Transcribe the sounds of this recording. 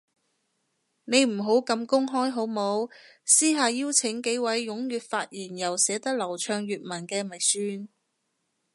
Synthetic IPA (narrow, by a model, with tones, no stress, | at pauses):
ne˨˧jm̩˨˩ɦo˨˥wkɐ˧mkʊ˥ŋɦɔː˥jɦo˨˥wmo˨˥w | siː˥ɦaː˨˧jiː˥wt͡sʰɪ˨˥ŋke˨˥jwɐ˨˥jːʊ˨˥ŋjyː˨t̚faː˧t̚jiː˨˩njɐ˨˩wsɛː˨˥t̪ɐ˥k̚lɐ˨˩wt͡ʃʰœː˧ŋjyː˨t̚mɐ˨˩nkɛː˧mɐ˨˩jsyː˧n